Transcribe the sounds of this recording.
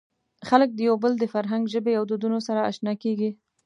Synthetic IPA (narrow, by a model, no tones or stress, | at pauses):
xalək̚d̪əjawbəld̪əfaɾɦaŋɡʒəbejawd̪od̪unosaɾaa̰ʃnɑkeɡi